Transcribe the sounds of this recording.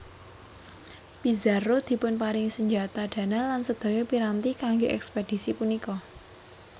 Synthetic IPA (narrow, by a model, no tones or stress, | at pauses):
pizarod̪̥i̤pʊnpaɾɪŋsəɲd͡ʒa̤t̪aɖ̪̥ä̤nalansəd̪̥ɔ̤jopiɾant̪ikaŋɡoʔɛ̰ksped̥i̤sipunikɔ